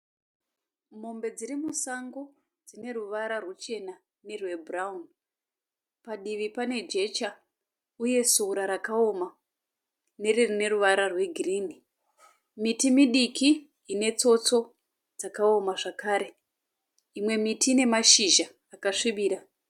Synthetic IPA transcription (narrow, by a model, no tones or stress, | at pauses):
m̤o̞mbe̞d͡zirimusaŋɡo̞ | d͡zine̞ruʋaɾarwut͡ʃe̞na | ne̞rwe̞bʱraun | paɗiʋipane̞d͡ʒe̞t͡ʃa | uje̞soɾaɾakao̞ma | ne̞ririne̞ɾuʋaɾarwe̞ɡʱiriːni | mitimiɗikiː | ne̞t͡so̞t͡so̞ | d͡zakao̞maʐakaːɾe̞ | imwe̞mitiːne̞maʃiʒaːkaʂiɓiːɾa